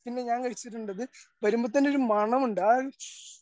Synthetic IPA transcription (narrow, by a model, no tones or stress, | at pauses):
pinːe̞ɲaːŋkɐɻit͡ɕːiʈ̬ːuɳɖɐðɨbɐɾumbɐt̪ːɐneo̞ɾumɐɳɐmuɳɖaːɻ